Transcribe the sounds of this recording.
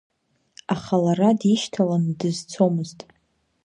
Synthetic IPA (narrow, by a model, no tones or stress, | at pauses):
aχalaradiʃtʰalandɨzt͡sʰo̞mɨztʼ